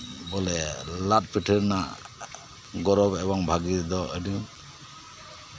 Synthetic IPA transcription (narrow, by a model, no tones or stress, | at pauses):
bɔlɛlat̚piʈʰəɾna | ɡɔɾɔbɛbɔŋbʱaɡid̪ɔədi